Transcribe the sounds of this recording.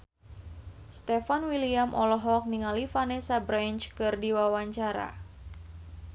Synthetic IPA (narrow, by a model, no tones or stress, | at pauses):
st̪ɛfanwiliamʔɔlɔɦɔk̚niŋalifanɛsabɾant͡ʃkɨrdiwawaɲt͡ʃaɾa̰